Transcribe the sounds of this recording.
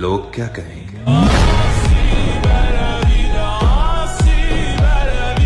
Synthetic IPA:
loːɡ̚kjaːkɐɦẽːŋɡeːsi | si

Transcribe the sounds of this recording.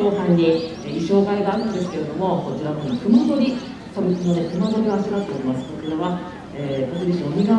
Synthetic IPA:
oːsãɲːi | eiɕo̞ːkaiɡaaɾɯad̪e̞sɨ̥ke̞ɾe̞d̪o̞mo̞ko̞t͡ɕiɾanonekɯmab̪o̞ɾʲi | sobikɨnonek̪ɯ̟mabo̞ɾʲioaʑiɡat̪ːe̞oɾʲimasɨ̥ko̞t͡ɕiɾaβa | eːkot̪oɾiɕiomʲiɡa

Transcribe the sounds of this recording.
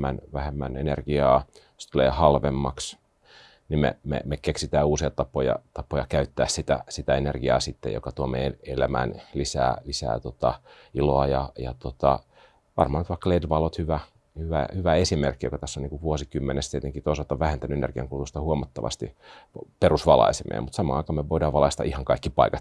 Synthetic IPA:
ænʋæhemːænenerɡ̥iɑːjst̪uleːhɑlʋemːɑks | nimḛmḛmekeksit̪æːuːsijɑt̪ɑpːojɑ̰t̪ɑpːojɑkæyt̪ːæːssit̪æ̰sit̪æenerɡiɑ̰ːsit̪ːḛjo̰kɑt̪uomḛelæmæ̰nlisæ̰ːlisæ̰ːt̪ot̪ɑ | iloɑjɑjɑ̰t̪ot̪ɑ | ʋɑ̰rmɑːnyt̪ʋɑikːɑledʋɑlot̪hyʋæ | hyʋæ̰hyʋæesimerkːijo̰kɑt̪æsːoniŋkuʋʋuosikymːenest̪iet̪eŋkit̪oisɑlt̪ɑoʋʋæhent̪ænyenerɡiɑ̰ŋkulust̪ɑhuomɑt̪ːɑʋɑ̰st̪ḭperusʋɑlɑ̰isemʔḛːmut̪sɑmɑ̰ɑikɑːmeʋoidɑːʋɑlɑist̪ɑ̰ʔihɑŋkɑikːipɑikɑt̪

